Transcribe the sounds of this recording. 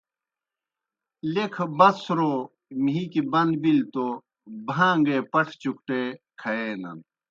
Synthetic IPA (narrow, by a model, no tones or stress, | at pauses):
lekʰbɐsɾo | miːkibɐnd̪bilt̪o | bʱãːŋɡeːpɐʈʰt͡ɕuk̚ʈeːkʰɐeːnɐ̰n